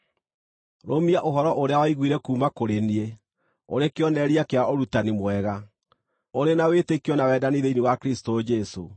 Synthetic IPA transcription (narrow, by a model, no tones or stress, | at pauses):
ɾomiaʔoɦɔɾɔʔoɾeawaiɣwiɾɛkuːmakoɾenie | o̰ɾekeɔnɛɾiakeaoɾutanimwɛɣa | oɾenawetekiɔnawɛːdaniðeinewakɾistod͡ʒɛso̰